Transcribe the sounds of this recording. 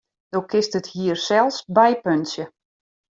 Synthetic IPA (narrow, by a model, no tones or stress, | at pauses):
dowkʰɪstəthiːərsɛlˠsbɛjpønsjə